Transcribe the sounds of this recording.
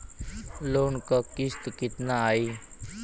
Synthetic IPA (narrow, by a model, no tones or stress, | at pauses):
loːnkakɪst̪kɪt̪naaːiː